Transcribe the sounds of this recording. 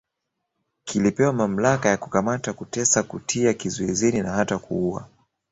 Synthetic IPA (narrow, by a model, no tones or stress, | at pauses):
kilipɛwamam̩lakajakukamatakutɛsakutʰiakizɔizɛninaɦatakṵua̰